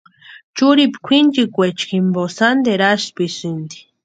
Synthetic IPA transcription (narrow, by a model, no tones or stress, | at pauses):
t͡ʃuɾipkʷʰind͡ʒikʷet͡ʃkimbosand̪eɾaʃpisɨnd̪i̥